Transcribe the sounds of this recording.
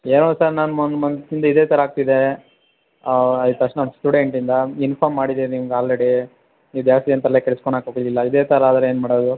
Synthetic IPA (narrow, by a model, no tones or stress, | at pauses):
eːnoːsɐɾnaːnmɔnd̪mɐnsind̪ɐid̪eːt̪ʰɐɾɐaːɡ̚t̪id̪e | ɐit̪ɐʂnɐnsʈuːɽeɳʈind̪ɐinpʰaːɾmːaːɽid̪iɾniːmuɡaːlɾeɽi | iːd̪jaːst̪ijɐnt̪ɐlekɛɭskoɳɖaːkoɡlilːɐid̪eːt̪ʰɐɾɐaːd̪ɐɾeeːnmaːɽod̪u